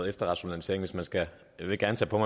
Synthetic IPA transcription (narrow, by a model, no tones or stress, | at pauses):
ðˠefd̥ɐʁɑ̈ɕo̝nælise̝ɐeŋ̩ʋe̝smænsɡ̥æ | ʋe̝ɡ̥æɐnət͡sʰɛ̰ːpʰɒ̽mɑ̈